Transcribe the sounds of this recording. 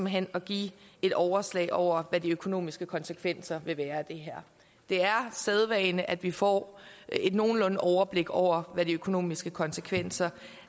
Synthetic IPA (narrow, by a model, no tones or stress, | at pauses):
m̩ɦen̰ɒ̽ɡ̥ḭːe̝d̥ɒʊɐslɛ̰ɪʔɒʊ̰ɐʋæd̥iøkʰo̝no̝̰ːmisɡ̥əkʰɒ̽nsəkʰʋen̰sɐʋe̝ʋæːɐd̥e̝ɦæɐ̰ | d̥e̝æɐseðˠʋɛɪnəʔæd̥ʋifɒ̰e̝d̥no̝ːn̩lɔ̽nəɒʊɐb̥le̝ɡ̥ɒʊ̰ɐʋædiøkʰo̝no̝̰ːmisɡ̥əkʰɒ̽nsəkʰʋen̰sɐ